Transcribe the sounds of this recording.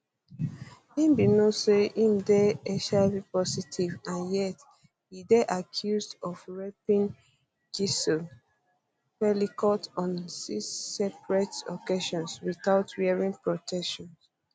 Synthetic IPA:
ĩmbinoseĩmdɛɛʃabipɔsitʰivãnjɛt | hidɛʔakʰjuzdɔfɹɛpĩn | ɡisɔ | pɛlikɔtɔ̃nsisɛpɹɛtɔkeʃɔ̃nswiθaʊtɹiɛɹĩŋpɹɔtʰɛkʃɔ̃ns

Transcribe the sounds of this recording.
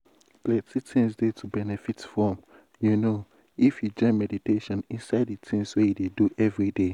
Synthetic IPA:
plɛtitʰĩŋsdetʰubɛnɛfitfɔm | juno | ifjud͡ʒɔɪ̃mɛditeʃɔ̃nĩnsaɪditʰĩŋswejudeduʔɛvɹide

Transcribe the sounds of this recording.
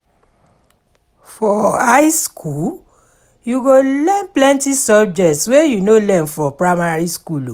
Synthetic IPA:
fɔaɪskʰul | juɡolɛ̃nplɛ̃ntisɔb̚d͡ʒɛtswejunolɛ̃nfɔpɹamaɹiskulo

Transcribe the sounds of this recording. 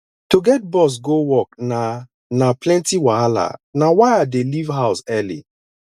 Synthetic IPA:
toɡɛt̚bɔs̬ɡowɔk̚na | naplɛ̃ntiwaala̰nawaɪadelivɦaʊsɛlḭ

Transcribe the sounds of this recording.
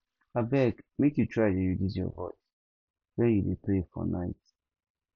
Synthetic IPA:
abɛkmekjutʰɹaɪdejudizjɔ̰vɔɪs | wɛ̃njudeplefɔ̰nʔa̰ɪt

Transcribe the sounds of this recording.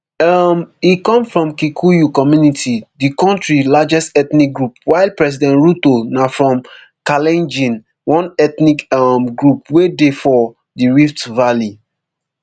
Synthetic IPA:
amikɔ̃mfɹɔ̃mkikʰujukɔmjunitʰidikɔ̃ntɹilad͡ʒɛstɛtnik̚ɡɹup̚waɪlpɹɛsidɛ̃nɹutonafɹɔ̃m | kalɛ̃nd͡ʒĩn | wɔ̃nɛtnikamɡɹup̚wedefɔ | diɹiftvali

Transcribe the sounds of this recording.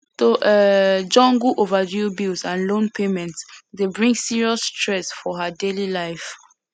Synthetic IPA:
toʔɛd͡ʒɔ̃ŋɡuʔovadibilsãnlõnpʰemɛ̃ntsdebɹĩŋsiɹiɔstʰɹɛsfɔɦədelilaɪf

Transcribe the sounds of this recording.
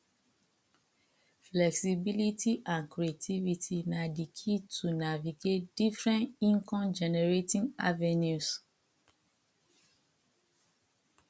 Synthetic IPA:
flɛksibilitʰiʔãnkɹietʰivitʰinadikʰitʰunaviɡet̚d̥ifɹɛ̃nĩŋkʰɔ̃md͡ʒɛnɛɹetĩŋa̰vɛnjus

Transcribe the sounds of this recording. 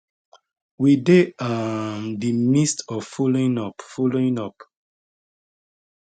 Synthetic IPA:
wideamdimistɔvfoloĩnɔpfoloĩnɔp

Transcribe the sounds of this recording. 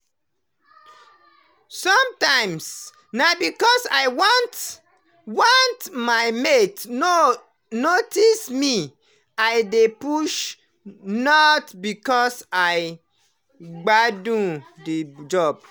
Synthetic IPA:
sɔ̃mtãɪ̃ms | nabikɔsaɪwant | wɔ̃ntmaɪmetno | notismi | ajdepuʃ | nɔtbikɔsaɪ | ɡ͡badũdid͡ʒɔb̥̚

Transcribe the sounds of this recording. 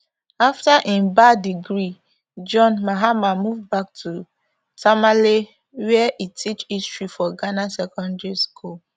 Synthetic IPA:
aftaʔĩnbadiɡɹi | d͡ʒɔ̃nmaɦamamuvbak̚tʰu | tamale | wɛʔitʰit͡ʃistɹifɔɡanasɛkɔ̃ndɛɹiskʰul

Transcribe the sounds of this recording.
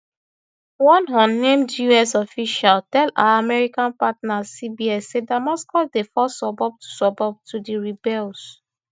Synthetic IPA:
wɔ̃nɦɔ̃nːẽmdjuɛsɔfiʃaltɛla̰aamɛɹikãnpatnasibiɛsːedamaskɔsdefɔsɔbɔb̚tu̥sɔbɔb̚tʰudiɹibɛls

